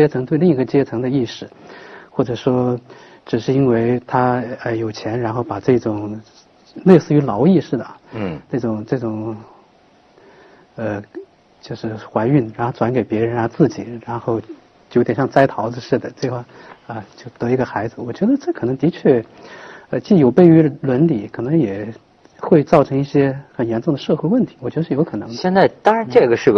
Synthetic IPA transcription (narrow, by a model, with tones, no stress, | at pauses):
t͡ɕjɛ˥t͡sʰɤ˧˥ŋt̪we˧li˥˩ŋi˧˥ɡə˧t͡ɕjɛ˥t͡sʰɤ˧˥ŋd̪ə˧i˥˩ʂɻ̩˥˩xwɔ˥˩ʈ͡ʂɤ˨˩ʂwɔ˥ | ʈ͡ʂɻ̩˨˩ʂɻ̩˥˩˧i˥nwe˥˩ɪt̪ʰa˥ə˧jo˨˩ʊt͡ɕʰjɛ˧˥nɻa˧˥nxo˥˩ʊpa˨˩ʈ͡ʂɤ˥˩ʈ͡ʂʊ˨˩˦ŋ | le˥˧ɪsɹ̩˥˩y˧˥lɑ˧˥ʊi˥˧ʂɻ̩˥˩d̪ə˩na˥˩ʈ͡ʂʊ˨˩ŋʈ͡ʂɤ˥˩ʈ͡ʂʊ˨˩ŋ | ə˧ | t͡ɕjo˥˧ʊʂɻ̩˥˩xwa˧˥ɪy˥˩nɻa˧˥nxo˥˧ʊʈ͡ʂwa˧˥nke˨˩ɪpjɛ˧˥ɻə˧˥na˧˥t͡sɹ̩˥˩t͡ɕḭ˨˩˦ɻa˧˥nxo˥˧ʊ | t͡ɕjo˧˥t̪jɛ˨˩nɕjɑ˥˧ŋt͡sa˥ɪt̪ʰɑ˧˥ʊd͡zɹ̩˧ʂɻ̩˥˩d̪ə˩ʈ͡ʂɤ˥˧ɡə˧xwa˥˩ə˧t͡ɕjo˥˩ʊt̪ɤ˧˥i˧˥ɡə˧xa˧˥ɪd͡zɹ̩˧wɔ˨˩t͡ɕɥɛ˧˥d̪ə˧ʈ͡ʂɤ˥˩kʰɤ˨˩nɤ˧˥ŋt̪i˧˥t͡ɕʰɥɛ˥˩ | ə˧t͡ɕi˥˩jo˨˩ʊpe˥˩ɪy˧˥lwə˧˥nli˨˩˦kʰɤ˨˩nɤ˧˥ŋjɛ˨˩ | xwe˥˧ɪt͡sɑ˥˩ʊʈ͡ʂʰɤ˧˥ŋi˥˩ɕjɛ˥xə˨˩njɛ˧˥nʈ͡ʂʊ˥˩ŋd̪ə˩ʂɤ˥˧xwe˥˧ɪwə˥˩nt̪ʰi̥˧˥wɔ˨˩t͡ɕɥɛ˧˥d̪ʂɻjo˧˥ʊ˥kʰɤ˨˩nɤ˧˥ŋjɛ˥˧nt͡sa˥˧ɪt̪ɑ˥ŋɻa˧˥nʈ͡ʂɤ˥˩ɡə˩ʂɻ̩˥˩